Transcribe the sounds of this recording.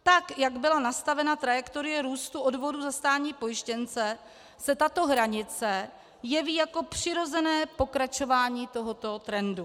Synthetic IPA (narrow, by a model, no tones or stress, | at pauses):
t̪akjaɡbɪlanast̪avɛnat̪ɾajɛkt̪o̞ɾɪjɛɾuːst̪uʔodvo̞duzast̪aːɲiːpo̞jɪʃcɛnt͡sɛ | sɛt̪at̪o̞ɦɾaɲɪt͡sɛ | jɛviːjako̞pr̝̥ɪɾo̞zɛnɛːpo̞kɾat͡ʃo̞vaːɲiːt̪o̞ɦot̪o̞t̪ɾɛndu